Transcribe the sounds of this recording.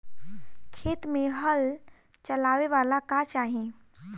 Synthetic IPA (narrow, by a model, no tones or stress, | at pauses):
kʰeːt̪mẽɦəl | t͡ʃɐlaːʋeʋaːlakaːt͡ʃaːɦẽː